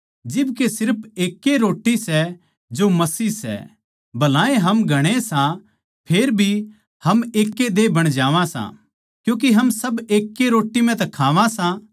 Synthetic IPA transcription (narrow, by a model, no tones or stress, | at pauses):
d͡ʒɪbkesɪɾpʰeːkːeɾoːʈːisɛ | d͡ʒomɐsiːsɛ̰ | bɐlãːẽɦɐmɡʱɐɽ̃esã | pʰeːɾbʱi | hɐmeːkːed̪ebɐɽ̃d͡ʒaːʋãsã̰ | kjũːk̬eɦɐmsɐbeːkːeɾoːʈːimɛ̃t̪ɐkʰaːʋãsã